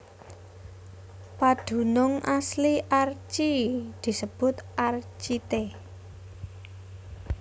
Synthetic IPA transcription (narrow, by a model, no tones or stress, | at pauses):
paɖ̪̥ṳnʊŋʔasliʔart͡ʃid̪̥i̤səb̥ʊ̤t̪art͡ʃit̪e